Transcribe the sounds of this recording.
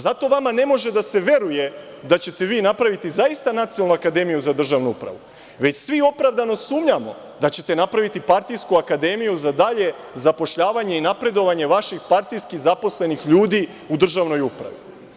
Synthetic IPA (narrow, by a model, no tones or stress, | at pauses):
zat̪o̞ʋamane̞mo̞ʒe̞d̪ase̞ʋe̞ɾuje̞ | d̪at͡ɕe̞t̪e̞ʋiːnapɾaʋit̪izaist̪anat̪siolnuakad̪e̞mijuzad̪r̩ʒaʋnuupɾa̰ʋu | ʋe̞t͡ɕsʋio̞pɾaʋd̪ano̞suːmɲamo̞̰ | d̪at͡ɕe̞t̪e̞napɾaʋit̪ipaɾt̪ijskuakad̪e̞mijuzad̪aʎe̞ | zapo̞ʃʎaːʋaɲe̞inapɾe̞d̪o̞ʋaɲe̞ʋaʃixpaɾt̪ijskizapo̞sle̞nixʎuːd̪i | ud̪r̩ʒaʋno̞jupɾa̰ʋḭ